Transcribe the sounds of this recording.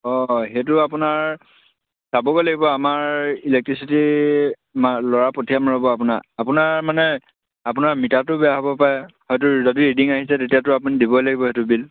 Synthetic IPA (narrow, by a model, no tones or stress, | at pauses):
ɔxetʊapʊnaɹ | sabɔɡojlaɡibɔamaɹilɛk̚tɹisiti | malɔɹapotʰiamaɹɔbɔapʊna̰apʊnaɹmanɛ | apʊnaɹmitatʊbɛaɦabɔpaɛhɔjtʊzɔtiidiŋaɦisɛtetijatʊap̬ʊnidibɔlaɡibɔhetʊbil